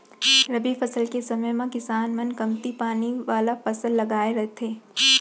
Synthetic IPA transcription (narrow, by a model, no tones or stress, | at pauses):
ɾɐbifɐsəlkesɐməjmãkɪsaːnmɐnkɐmt̪ipaːniʋaːlapɐsəlːɐɡaːeɾɐɦt̪ʰeː